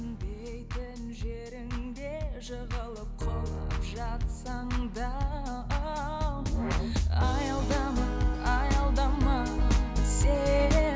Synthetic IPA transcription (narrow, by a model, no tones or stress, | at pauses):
nb̪ejt̪ɪnʒeɾɪŋd̪e̞ʒəʁəlˠəp̚qʰolˠə̰pʒɑt̪sɑɴd̪ɑ | ɑjɑlˠd̪ɑmɑɑjɑlˠd̪ɑmɑ | se